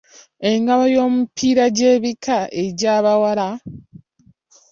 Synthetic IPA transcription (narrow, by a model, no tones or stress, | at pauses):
e̞ŋɡaβajo̞ːmupʰiːɾaɟeːβikʰaʔe̞ɟaːβawala